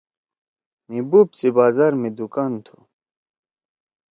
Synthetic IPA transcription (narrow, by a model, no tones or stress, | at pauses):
mibubsebaːzaːɾmed̪ukaːnt̪ʰu̥̰